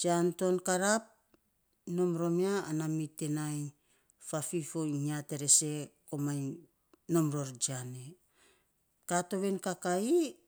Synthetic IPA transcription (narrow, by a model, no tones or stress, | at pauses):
d͡ʒanto̞nkaɾap̚ | no̞mɾo̞miaːnamite̞naj | fafifoiɲate̞ɾe̞se̞ko̞maj | no̞mɾo̞ɾd͡ʒiane | kato̞βe̞nkakai